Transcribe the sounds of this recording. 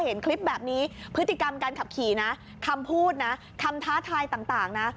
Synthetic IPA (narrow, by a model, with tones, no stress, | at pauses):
he˩˦nkʰli˦˥p̚bɛː˨˩p̚niː˦˥pʰɯ˦˥t̪ːi˨˩ka˧mkaː˧nkʰa˨˩p̚kʰiː˨˩˦na˦˥ | kʰa˧mpʰuː˥˩t̪̚na˦˥ | kʰa˧mt̪ʰaː˦˥t̪ʰaː˧jt̪aː˨˩ŋt̪aː˨˩ŋna˦˥